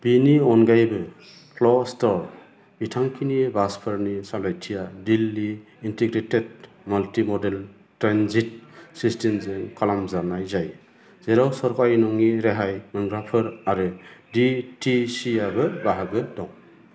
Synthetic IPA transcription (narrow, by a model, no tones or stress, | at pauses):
b̥iniɔnɡajbɯ | pʰlɔstɔɾ | bitʰaŋkʰinibaspʰɯɾnisalajtʰijadilːiː | ntiɡɾeted̚ | maltimɔdel | tɾanzit̚sistemzeŋkʰalamzanajzaj | zeɾawsɔɾkajnɔŋiɾeɦajmɯŋɡɾapʰɯɾaɾɯditisiabɯbaɦaɡɯdɔŋ